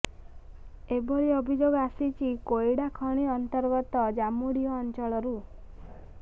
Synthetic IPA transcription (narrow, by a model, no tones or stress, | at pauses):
ebɔɾiɔbʱid͡ʒoɡasit͡ʃʰikojɽakʰɔɽ̃iɔnt̪ɔɾɡɔt̪ɔd͡ʒamuɽijɔːnt͡ʃɔɭɔɾu